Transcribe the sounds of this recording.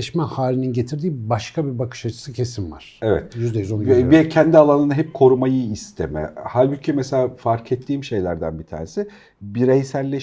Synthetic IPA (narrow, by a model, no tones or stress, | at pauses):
ʃmɛhaːlʲininɟe̞t̪ʰiɾd̪iːbaʃkʰabiɾbakʰɯ̥ʃat͡ʃʰɯ̥sɯcʰe̞sinva̰ɾ̥evɛ̰t̪jyzd̪ejyzonbicʰɛnd̪ialˠanɯnaɦɛp̚kʰo̞ɾumajɯist̪ʰe̞mɛ̰halʲbycʰimeselʲaːfaɾkʰet̪ʰːiːmʃe̞jlʲæɾd̪æ̰nbit̪ʰa̰ːnesɪ | biɾejsæɾlʲe